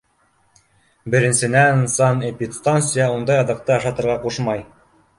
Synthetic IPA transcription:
bɘ̆ɾɘ̆nsɘ̆nænsɑnepʲit̪st̪ansɨjɑund̪ɑjɑðɤ̆q̚t̪ɤɑʃɑt̪ɤ̆ɾʁɑquʃmɑj

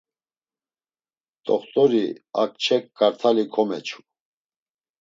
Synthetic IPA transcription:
t̪ʼɔχt̪ʼɔɾiak̚t͡ʃʰɛkːaɾt̪ʰalikʰɔmɛt͡ʃʰu̥

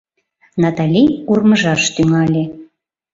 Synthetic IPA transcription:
nɑt̪ɑlʲijurməʒɑʃt̪yŋɑlʲe

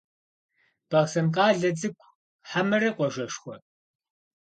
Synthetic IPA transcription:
b̥ɐʁsɐmqɑːɮɐd͡zʼɨkʷʰʼ | ħamɨɾɐqʷɔʒɐʃχʷɔ

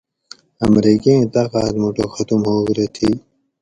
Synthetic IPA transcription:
ɐmɾiːket̪aqɑːt̪muʈoxɐt̪umhoːɡɾet̪ʰi

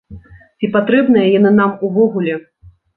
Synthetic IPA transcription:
t͡sʲipat̪ɾɛbn̪ɐjɐjanɨnamuvɔɣulʲɛ

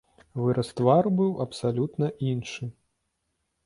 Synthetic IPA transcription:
vɨɾʔɐst̪varbɨwʔɐpsalʲut̪nɐʔinʂɨ

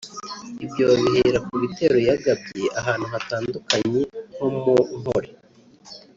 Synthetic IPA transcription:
ibjoβiɦeɾakuβite̞ɾo̞jaɡabeʔaɦaːn̥uɦataːndukaɲe̞ho̞munhoɾe

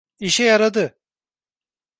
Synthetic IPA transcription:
iʃɛjaɾad̪ɯ

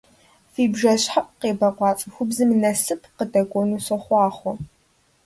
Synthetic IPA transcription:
fiːbʒɐɕħaʔʼqeːbɐqʷɑːt͡sʼɐxʷʊbzɨmnɐsɨpʰqədɐɡʷʼɔnuːsɐχʷɑːχʷɔ

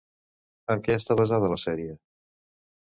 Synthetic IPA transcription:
əmkɛəst̪aβəzað̞ələsɛɾiə

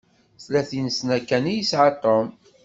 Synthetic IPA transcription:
θlæθinəsnækːænijisʕɑt̪ˤːom

